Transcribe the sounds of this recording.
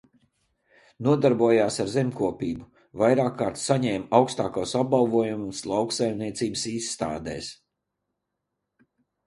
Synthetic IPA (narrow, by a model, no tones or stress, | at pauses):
nuɔd̪aɾbuɔjaːsaɾzemʲkuɔpiːbu | vajɾaːkːaːɾt̪saɲɛːmawkst̪a̰ːkasab̚balˠvuɔjumslˠawksajmniɛt̪siːbəsiːsːt̪a̰ːd̪ɛ̰ːs